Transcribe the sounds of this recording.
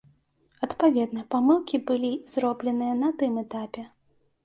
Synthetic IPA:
ɐt̪pavʲɛd̪nɐpamɨlˠkʲibɨlʲizɾɔblʲɛnɨjɐnɐt̪ɨmɛt̪apʲɛ

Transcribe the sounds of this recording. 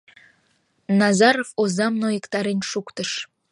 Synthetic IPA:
nɑzɑɾofozɑmnojekt̪ɑɾenʲʃukt̪əʃ

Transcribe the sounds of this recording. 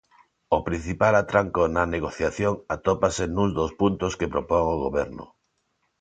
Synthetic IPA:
ʊpɾin̟θipalat̪ɾaŋkonaneɣ̞oθjaθjoŋat̪opasenũŋzd̪ospunt̪oskepɾopoŋoɣoβɛɾnʊ̰

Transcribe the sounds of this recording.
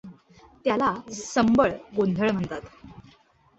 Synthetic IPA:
t̪jalasəmbəɭɡond̪ʱəɭm̤əɳt̪at̪

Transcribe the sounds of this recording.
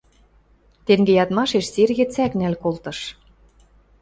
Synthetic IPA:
t̪eŋɡejɑt̪mɑʃeʃserɣet͡sæknælkolt̪ɤ̆ʃ

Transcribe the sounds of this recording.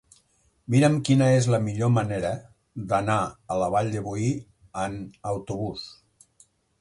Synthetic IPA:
miɾəmkinəezləmiʎoməneɾə | ðənaələβ̞aʎd̪eβui | ənəwt̪uβus

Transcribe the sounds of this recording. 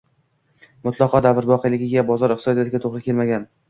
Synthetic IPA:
mʊt̪ʰlˠɑqʰɒd̪avɪɾvɒqʰɨjlɪɡʲɪɡʲabɒzɒɾɪqt̪sɒd̪ijɒt̪ɪɡʲat̪ʰoʁɾɪkʲe̞lmaɡʲan

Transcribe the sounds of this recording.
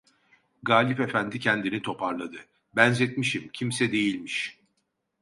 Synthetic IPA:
ɡaːlʲipefænd̪icʰɛnd̪init̪ʰo̞pʰaɾlˠad̪ɯ | bænzɛt̪miʃimcʰimsɛd̪e̞jilʲmiʃ

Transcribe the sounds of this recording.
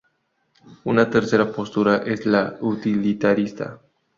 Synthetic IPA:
unat̪eɾse̞ɾapo̞st̪uɾaʔezlaut̪ilit̪aɾist̪a̰

